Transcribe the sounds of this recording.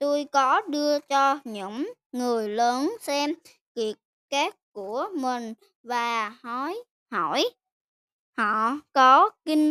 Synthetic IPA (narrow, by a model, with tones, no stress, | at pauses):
t̪u˧jkɔ˨˦ɗɨ˧ət͡ɕɔ˧ɲɨ̰˧˥ŋ | ŋɨ˨˩əjləː˨˦nsɛ˧m | ki˨˩ət̚ | kaː˦˥k̚ku˧˩əmï˨˩ŋ̟ | vaː˨˩hɔ˨˦j | hɔ˧˩˨j | hɔ̰˧˩˨kɔ˨˦ki˧ŋ